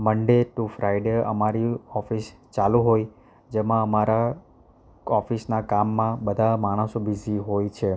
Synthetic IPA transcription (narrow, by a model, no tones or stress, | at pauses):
məɳɖeʈufɾajɖeə̰maɾiɔfis | t͡ʃalũɦoj | d͡ʒemãəmaɾa | ɔfisnakamːãbəd̪ʱamaɽ̃əsobiziɦojt͡ʃʰe